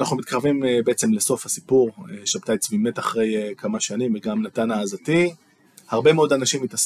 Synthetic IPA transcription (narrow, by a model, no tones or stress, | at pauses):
naχnumit̪̚kaʁvimbeet͡se̞mleso̞fhasi̥puʁeʃabt̪ajt͡svime̞taχʁe̞jkʰamaʃanimveɡamnatanaːzati | haʁbe̞meo̞danaʃimitas